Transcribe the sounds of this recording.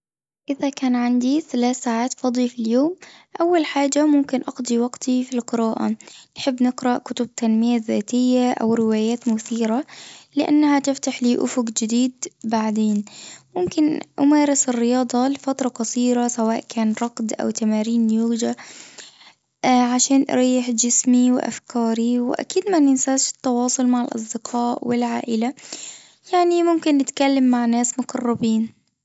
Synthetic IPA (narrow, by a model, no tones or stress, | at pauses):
ʔɪðakaːnʕand̪iθalaːθsaːʕaːt̪fɑd̪ˤifiljoːmʔawːalħaːd͡ʒamʊmkɪnʔɑɡd̪ˤiwɑɡt̪ifilqɪɾaːʔa̰nħɪbːnɪqɾɑʔkʊt̪ʊb̚t̪ʰanmɪjaðaːt̪ɪjːaʔa̰wɾɪwaːjaːt̪mʊθiːɾalɪʔa̰nːhat̪ɪft̪aħliːʔʊfʊɡd͡ʒɪd̪iːd̪̚baʕd̪eːnmʊmkɪnʔʊmaːɾɪsɪrːɪjɑːd̪ˤɑlɪfat̪ɾˤɑqɑsˤiːɾasawaːʔkaːnɾˤɑqd̪ʔa̰wt̪amaːɾiːnjuɣd͡ʒa | ʕaʃaːnʔɾˤɑːjːɪħd͡ʒɪsmiwɪ̰ʔa̰fkɑːɾiwɪ̰ʔa̰kiːd̪manɪnsaːʃɪ̥t̪ːɑwɑːsˤʊlmaʕɪlʔɑ̰s̬ˤd̪ɪqʰɑːʔwɪlʕa̰ːʔɪla | jaʕnimʊmkɪnːɪt̪kalːamːaʕnaːsmʊqɑrˤːɑbiːn